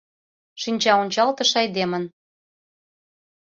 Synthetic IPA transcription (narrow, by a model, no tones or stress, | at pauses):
ʃinʲt͡ɕɑonʲt͡ɕɑlt̪əʃɑjd̪emən